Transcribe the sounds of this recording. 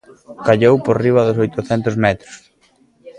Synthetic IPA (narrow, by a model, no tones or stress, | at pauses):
kaʎowpoɾriβ̞ɐðʊsojt̪ʊθɛnt̪ʊzmɛt̪ɾʊ̥s